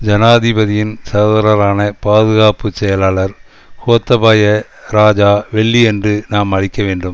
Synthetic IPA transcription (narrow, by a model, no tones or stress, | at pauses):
d͡ʒɐnaːðɪbɐðɪjɪnsɐɣɐðɐɾɐɾaːnɐpaːðɯɣaːpɯsɛjɐlaːɭɐɾ | hoːt̪ːɐbaːjɐ | ɾaːd͡ʒaːʋɛɭːiɛndrɯnaːmɐɻɪkːɐʋeːɳɖɯm